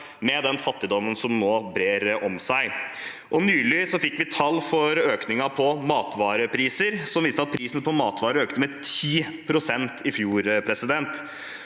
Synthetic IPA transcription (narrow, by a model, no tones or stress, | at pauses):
mɛd̪ɛnfɑt̪ːɪd̪ɔmːənsɔmnoːbɾeːɾɔmsæɪ | ʔɔnyːlɪsɔfɪkːʋɪt̪ʰɑlːfɔɾøːknɪŋɑpʰɔmɑːt̪ʋɑːɾəpʰɾiːsəɾsɔmʋiːst̪əɑt̪̚pʰɾiːsənəpʰɔmɑːt̪ʋɑːɾəøːk̚t̪əmɛt̪ʰiːpʰɾʊsɛnt̪ʰɪfjuːɾpʰɾɛsɪd̪ɛnt̪